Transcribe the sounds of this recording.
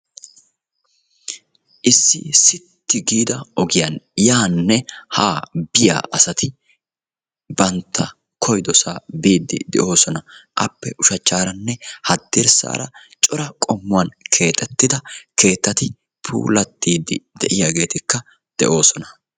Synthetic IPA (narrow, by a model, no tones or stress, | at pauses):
ʔɪsːɪsɪt̪ːɪɡiːd̪ɐɔɡɪjɐnjaːnːɛha̰ːbɪja̰ːʔɐsɐt̪ɪ | bɐnt̪ʰːɐ | kʰɔjd̪ɔsaːbiːd̪ːɪ̰d̪ɛ̰ʔo̞ːsɔnɐʔɐpːɛʔʊʃɐt͡ʃːaːɾɐnːɛhɐd̪ːɪɾsa̰ːɾɐ̰t͡ʃʼɔɾɐkʼɔmːʊwɐnkʰe̞ːt̪ʼːɛt̪ːɪd̪ɐke̞ːt̪ːɐt̪ɪ | pʰṵːlɐt̪ːiːd̪ːɪd̪ɛʔɪjaːɡe̞ːt̪ɪkːɐ | d̪̥ɛʔo̞ːsɔnɐ̥